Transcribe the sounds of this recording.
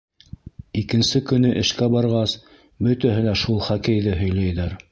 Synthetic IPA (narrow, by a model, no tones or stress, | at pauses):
ikɘ̆nsɘkɵ̆nɵʔɘ̆ʃkæbɑɾʁɑs | bɵ̆t̪æɦɘ̆læʃulˠχækæjðɘɦɵ̆jlæjðæɾ